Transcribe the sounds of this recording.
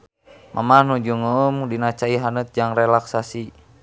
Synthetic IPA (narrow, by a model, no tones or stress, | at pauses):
mʔa̰mahnud͡ʒuŋəːmdinat͡ʃaiɦanət̪̚d͡ʒaŋrɛlaksasi